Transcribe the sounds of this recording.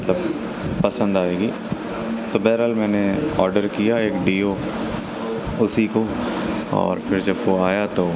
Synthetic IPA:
mɐt̪ləb | pɐsə̃nd̪aːeːɡiː | t̪oːbɛːɾəlmɛːneɔ̰ːɾɖəɾkijaeːkɖiːo | ʊsiko | ɔ̰ːɾfʰɪɾd͡ʒɐbʋoaːjat̪oː

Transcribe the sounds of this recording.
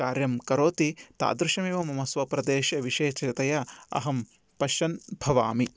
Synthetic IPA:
aːɾjɐmkɐɾoːt̪it̪a̰ːd̪ɾuʃɐmeːʋɐmɐmɐsʋɐpɾɐd̪eːʃɐʋiʃeːt͡ʃɾit̪ɐjɐɐ̰ɦɐm | pɐʃɐnbʱɐʋaːmi

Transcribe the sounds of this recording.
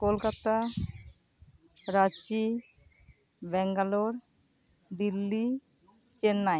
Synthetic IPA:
kolkat̪a | ɾat͡ɕi | bɛŋɡaloɾ | d̪ilːi | t͡ɕenːaj

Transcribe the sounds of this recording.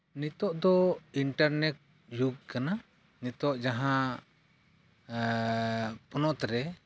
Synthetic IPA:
nit̪ɔʔd̪ɔiɳʈaɾnɛʈ̚ | juɡ̚kana | nit̪ɔʔd͡ʒaɦã | pɔnɔʔt̪ɾɛ

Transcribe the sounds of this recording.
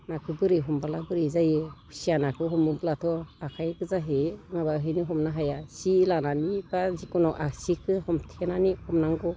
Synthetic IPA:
nakʰɯbɯɾiɦɔmbalabɯɾizajɯkʰu̥sijanakʰɯɦɔmɯblatʰɔakʰajɡɯzaɦeŋabaɦɯjniɦɔmnaɦajasilananibazikunɔʔasikʰɯhɔmtʰenaniɔmnaŋɡɔ

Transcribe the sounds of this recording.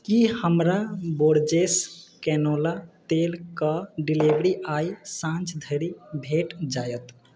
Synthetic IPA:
kihəmɾaboɾd͡ʒeskɛnolat̪elkəɖilibɾiʔajsãnt͡ʃd̪ʱəɾibʱeʈd͡ʒajət̪

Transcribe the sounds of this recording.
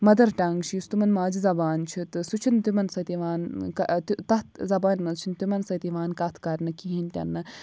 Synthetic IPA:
mɐd̪ɐɾʈaŋɡʃist̪umɐnmaːd͡ʒizɐbaːnt͡ʃʰit̪ɨsut͡ʃʰint̪umɐnsɐt̪iʋaːnkɐt̪t̪ɐt̪zɐbaːnʲmɐt͡ʃʰint̪umɐnsɐt̪iʋaːnkɐt̪ʰkɐɾʲnɨkiɦinʲt̪ʲɐ̰nːɨ

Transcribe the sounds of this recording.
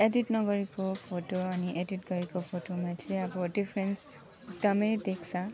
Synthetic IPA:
editnɔɡɔɹikɔpʰotoaniʔeditɡɔɹikɔpʰotomatʰɹiabɔdipʰɹɛns | tamedeksa

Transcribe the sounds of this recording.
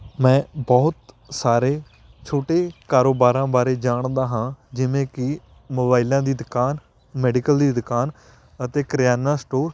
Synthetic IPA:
mɛ̃ːbɔːt̪ | saːɾeː | t͡ʃʰoːʈeːkaːɾoːbaːɾãːbaːɾeːd͡ʒaːɳd̪aːɦãːd͡ʒɪʋẽːkɪ | moːbaːɪlãːd̪iːd̪ɪkaːn | mɛːɖɪkəld̪iːd̪kaːn | ət̪eːkɾɪjaːnaːsʈoːɾ

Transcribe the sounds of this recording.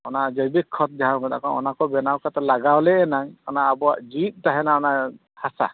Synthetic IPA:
ɔnad͡ʒɔbikʰːɔt̪̚d͡ʒawbad̪a̰kɔnɔ̰nakɔbɛnawkat̪alaɡawlɛɛnaŋɔnaːbɔaʔd͡ʒit̪̚ˀtaɦɛnaɔna | hasa̰

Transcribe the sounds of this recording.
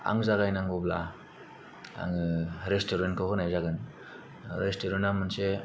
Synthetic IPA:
a̰ŋzaɣajnaŋɡɔbla̰ | a̰ŋɯɾestoɾenkʰɔkɯnajzaɡɯn | ɾestoɾenamɯnse

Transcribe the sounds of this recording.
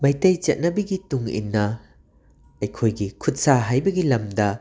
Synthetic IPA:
mɐjtɐjt͡ʃɐt̚nɐbɐɡituŋḭnːɐ | ɐjkʰojɡikʰut̚saɦajbɐɡilɐmdɐ

